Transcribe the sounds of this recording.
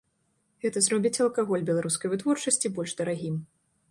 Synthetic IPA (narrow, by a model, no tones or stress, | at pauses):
ɣɛt̪ɐzrɔbʲit͡sʲɐlˠkaɣɔlʲbʲɛlˠaɾuskɐjvɨt̪vɔrt͡ʂɐsʲt͡sʲibɔlʲʐd̪ɐɾaɣʲim